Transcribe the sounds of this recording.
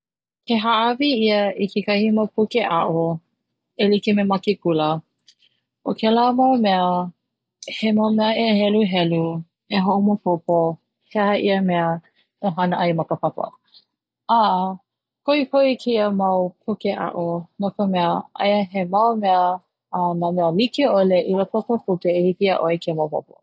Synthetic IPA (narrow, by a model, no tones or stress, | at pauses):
kʰeɦaʔɐviiəikʰekɐhimapʰukeʔaʔo | elikimemɐkekulə | ʔokʰelamawmɛə | hemawmɛəeɦɛluɦɛlu | eɦoʔomopʰopo | heɐʔiəmɛə | oɦɐnəʔɐjmɐkəpɐpə̰ | aʔ | koikʰoikʰeiəmɐwpʰokeʔa̰ʔonokəmɛəɐ̰jəɦemɐwmɛə | ɐnamɛəlikeoleʔiləpʰopəputeehipiaʔoekʰemopo̰po̰